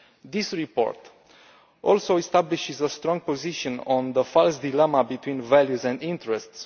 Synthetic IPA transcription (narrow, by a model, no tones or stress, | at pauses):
d̪isɹipo̰ɹt̪ | ʔɔlsowist̪abliʃizəst̪ɾɔ̃ŋɡ̚poziʃə̃nɔ̃nd̪əfalsd̪ilɛmabit̪wĩnvæljuzɛ̃nd̪ĩnt̪əɹɛst̪s